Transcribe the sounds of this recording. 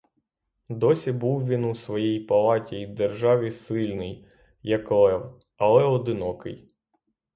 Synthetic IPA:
d̪ɔsʲibuwʋʲinusʋɔjijpɐlˠɑtʲid̪erʒɑʋʲisɪlʲnɪj | jɐklˠɛw | ɐlˠɛɔd̪ɪnɔkɪ̰j

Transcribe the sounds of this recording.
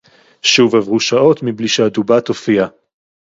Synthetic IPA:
ʃuvavʁuʃao̞tmibliʃeadubatofia

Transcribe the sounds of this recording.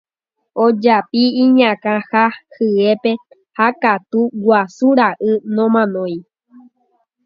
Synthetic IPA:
od͡ʒapiĩɲãkãhahɨe̞pe̞ | hakat̪uwʷasuɾaʔɨnõmãnõj̃

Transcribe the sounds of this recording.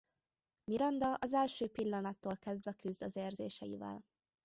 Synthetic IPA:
miɾɒnd̪ɒʔɒzɛlʃøːpilːɒnɒt̪ːoːlkɛzd̪ʋɛkyzd̪ɒzeːrzḛːʃɛjḭvɛ̰l

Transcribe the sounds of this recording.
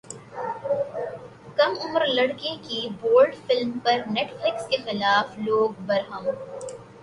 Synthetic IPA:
kɐmʊmɾlɐɽkẽkiboːɾɖfɪlmpɐɾneːʈflɪkskexɪlaːfloːɡbɐɾɦəm

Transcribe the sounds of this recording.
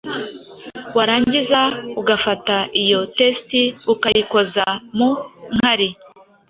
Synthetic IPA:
waɾaːɲɟizauɡafataʔijo̞testiukajiko̞zamuŋ̥haɾi

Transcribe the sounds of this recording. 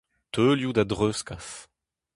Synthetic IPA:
t̪ʰøːljud̪ad̪ʁøskaf

